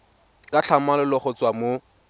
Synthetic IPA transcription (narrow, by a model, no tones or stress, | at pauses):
kʼat͡ɬʰamalʊlɔχʊt͡swamo